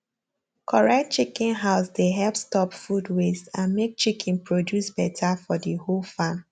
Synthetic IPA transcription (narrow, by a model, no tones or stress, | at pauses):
kʰɔɹat̚t͡ʃikĩnɦaʊsdeɦɛlˠpstɔpfudwesãnmek̚t͡ʃikʰĩnpɹodjusb̥ɛtʰafɔdiholfãm